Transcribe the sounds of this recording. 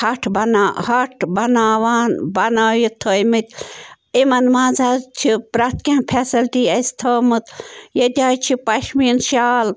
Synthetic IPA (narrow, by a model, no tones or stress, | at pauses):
hɐʈʰbɐnaːhɐʈʰbɐnaːʋaːnbɐnaːjit̪ʰoːjmɨt̪̚ʲ | imɐnmãːzazt͡ʃʰipɾɐt̪kʲãːnpʰesɐlʈiːɐst̪ʰoːmɨt̪jɐd̪ʲaːjt͡ʃʰipɐʃmiːnʃaːl